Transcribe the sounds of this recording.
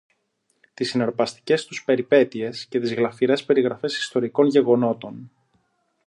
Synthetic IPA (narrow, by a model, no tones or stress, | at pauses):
t̪isineɾpɐst̪i̥ce̞st̪uspe̞ɾipe̞t̪ie̞sce̞t̪izɣlɐfiɾe̞spe̞ɾiɣɾɐfe̞si̥st̪o̞ɾiko̞nʝe̞ɣo̞no̞t̪o̞n